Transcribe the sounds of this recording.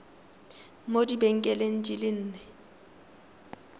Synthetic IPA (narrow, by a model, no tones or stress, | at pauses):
modibeŋ̩kʼɛlen̩d͡ʒʼilɪn̩ːnɛ